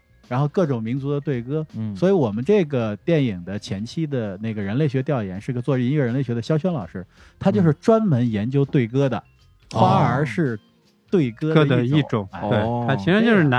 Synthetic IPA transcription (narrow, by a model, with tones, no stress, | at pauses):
ɻa˧˥nxo˥˧ʊkɤ˥˩ʈ͡ʂʊ˨˩ŋmi˧˥nt͡su˧˥d̪ə˧t̪we˥˩ɪkɤ˥swɔ˧˥i˧˥wɔ˨˩mə˦nʈ͡ʂɤ˥˩ɡə˩t̪jɛ˥˩ni˨˩ŋd̪ə˦t͡ɕʰjɛ˧˥nt͡ɕʰi˥d̪ə˨na˥˩ɪɡə˩ɻə˧˥nle˥˩ɪɕɥɛ˧˥t̪jɑ˥˩ʊjɛ˧˥nʂɻ̩˥˩˧ɡə˧t͡swɔ˥˧ʈ͡ʂɻ̩˥˧i˧˥nɥɛ˥˩ɻə˧˥nle˥˩ɪɕɥɛ˧˥də˧˩ɕjɑ˥ʊɕ̬ɥɛ˥nlɑ˨˩ʊʂɻ̩˥ | t̪ʰa˥t͡ɕjo˥˧ʊʂɻ̩˥˩ʈ͡ʂwa˥nmə˧˥njɛ˧˥nt͡ɕjo˥ʊt̪we˥˩ɪkɤ˥d̪ə̰˨ | xwa˥ə˞˧˥ʂɻ̩˥˧ | t̪we˥˩ɪkɤ˥də˥˧də˥˧i˥˩˦ʈ͡ʂʊ˨˩˦ŋwe˥˩ɪtʰa˥t͡ɕʰi˧˥ʂa˧˥t͡ɕjo˥˧ʊʂɻna˧˥